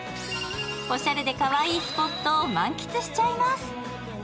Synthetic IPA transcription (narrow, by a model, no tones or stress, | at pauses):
o̞ɕaɾɯ̟d̪e̞kaβaiːspo̞t̪ːoːmãŋkʲi̥t͡sɨɕi̥t͡ɕaimasɨ̥